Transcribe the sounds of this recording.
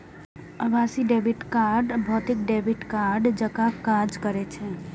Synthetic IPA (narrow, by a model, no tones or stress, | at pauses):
əʋasiɖebiʈkaɾɖbʱɔt̪ik̚ɖebʱiʈkaɾɖd͡ʒəkakaɾd͡ʒkəɾet͡ʃʰe